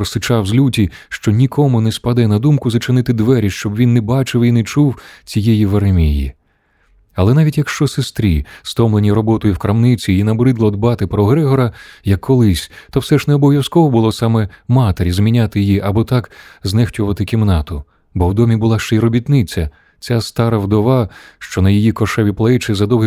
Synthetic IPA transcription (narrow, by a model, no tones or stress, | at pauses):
ɾɔsɪt͡ʃɑwzʲlʲutʲiʃt͡ʃɔnʲikʰɔmʊnɛspɐd̪ɛnɐd̪umkʊzɐt͡ʃenɪt̪ɪd̪ʋɛɾʲiʃt͡ʃɔbʋʲinːɛbɑt͡ʃɪwinɛt͡ʃuwt͡sʲijɛjiʋɐɾemʲijḭ | ɐlˠɛnɑʋʲitʲjɐkʃt͡ʃɔsest̪ɾʲḭst̪ɔmlˠenʲiɾɔbɔt̪ɔjʊwkɾɐmnɪt͡sʲiinɐbɾɪd̪lˠɔd̪bɑt̪ɪpɾɔɦɾɛɦɔɾɐjɐkːɔlˠɪsʲt̪ɔwsɛʒnɛɔbɔwʋjɐskɔɦɔbʊlˠɔsɑmɛmɑt̪eɾʲizmʲinʲat̪ɪjijiʔɐbɔt̪ɑkznɛxtʲʊʋɐt̪ɪkʲimnɑt̪ʊ | bɔwd̪ɔmʲibʊlˠɑʃt͡ʃɛiɾɔbʲit̪nɪt͡sʲɐ | t͡sʲast̪ɑɾɐwd̪ɔʋɑʃt͡ʃɔnɐjijikɔʃɛʋʲiplˠɛt͡ʃɪzɐd̪ɔwɦɪ